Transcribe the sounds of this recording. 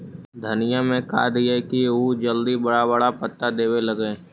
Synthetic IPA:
d̪ʱənɪjamẽka̰ːd̪iekiud͡ʒəld̪ibɐɽabəɽapət̪ːad̪eːwelɐɡẽː

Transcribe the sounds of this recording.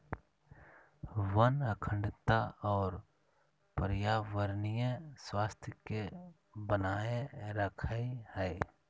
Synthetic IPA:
ʋənəkʰə̃ɳɖt̪aɔːɾ | pɾjaːʋəɾnijeswaːst̪ʰjəke | bənaːeɾəkʰəehɛː

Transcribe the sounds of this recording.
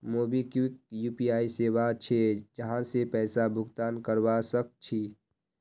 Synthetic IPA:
moːbikɪk̚juːpiaːiseːwat͡ʃʰed͡ʒəɦãsepɛːsabʱʊɡt̪aːnkəɾwasək̚t͡ʃʰiː

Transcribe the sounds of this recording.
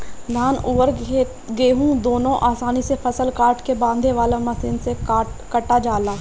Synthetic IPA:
d̪ʱaːnʊːəɾ | ɡeːɦũd̪oːnõʔaːsaːnisepʰɐsəlkaːɾʈkebãːnd̪ʱeʋaːlãmɐsɪnseaːʈkəʈːad͡ʒaːlaː

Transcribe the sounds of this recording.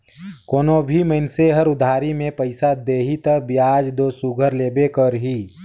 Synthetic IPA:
koːnobʱiməɪnseɦəɾʊd̪ʱaːɾimẽpəɪsad̪eːɦit̪əbjaːd͡ʒd̪osuɡʱəɾleːbekəɾɦiː

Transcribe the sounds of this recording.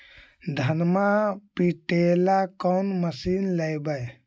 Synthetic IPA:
d̪ʱənmapiʈelakɔnməsinləjbəj

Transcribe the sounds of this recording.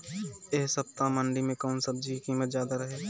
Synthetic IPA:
eːɦsəp̚t̪amə̃ɳɖimẽkɔːnsɐb̚d͡ʒikikiːmət̪zjaːd̪aɾəɦeː

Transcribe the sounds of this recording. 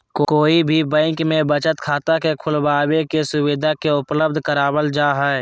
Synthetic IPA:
kokoːibʱibɛ̃ːŋkmẽbət͡ʃət̪kʰaːt̪akekʰʊlbaːwekesʊwɪd̪ʱakeʊpləb̚d̪ʱkəɾaːwəld͡ʒaːɦɛɛ

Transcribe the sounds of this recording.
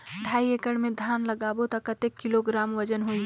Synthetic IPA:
ɖʱaːiekəɽmẽd̪ʱaːnləɡaːbot̪ɐkət̪ekːɪloɡɾaːmʋəd͡ʒənɦoĩ

